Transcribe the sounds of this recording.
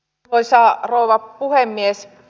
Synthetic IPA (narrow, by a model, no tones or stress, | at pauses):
oisɑːrouʋɑpuhemːies